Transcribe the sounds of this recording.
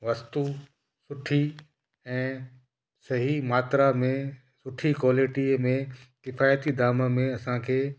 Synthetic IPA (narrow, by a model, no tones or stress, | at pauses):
ʋɐst̪u | sʊʈʰi | ɛ̃ː | sɐɦimaːt̪ɾamẽ | sʊʈʰikwoːlɪʈimẽkɪfaːjt̪id̪aːmmẽɐsãkʰeː